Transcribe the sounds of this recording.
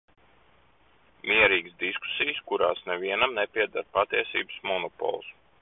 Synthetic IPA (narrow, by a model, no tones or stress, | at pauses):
mʲiɛɾiːɡəsd̪isku̥sijskuɾa̰ːsnɛviɛnamnepʲiɛd̪aɾpat̪iɛsḭːbə̥smɔnɔpɔ̰lˠs